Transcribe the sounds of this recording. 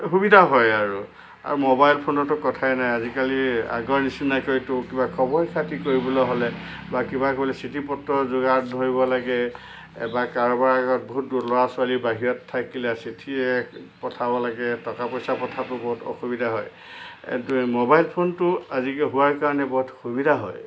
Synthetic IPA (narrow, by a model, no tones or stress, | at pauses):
xubidʱaɦɔjaɹu | a̰ɹumobajlpʰonɔtʊkɔtʰaɛnajazikalia̰ɡɔɹnisinakoɹitʊkibakʰɔbɔɹjkʰatikoɹibɔlɔɦɔlɛ | bakibakoilɛsitʰipɔtːɔzʊɡadʱoɹibɔlaɡɛ | ɛ̰bakaɹɔbaɹaɡɔt̚boɦut̚dutlɔɹasʊalibaɦiɹɔtʰːakilɛsitʰiɛpɔtʰabɔlaɡɛtɔkapɔjsapɔtʰatʊboɦutɔ̰xubidʱaɦɔj̰ | mobajlpʰontʊazikɛɦuaɹkaɹɔnɛboɦutxubidʱaɦɔj